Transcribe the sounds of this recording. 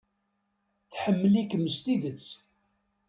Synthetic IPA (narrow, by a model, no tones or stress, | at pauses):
θħəmːəlikːəmːəst̪iðət͡sː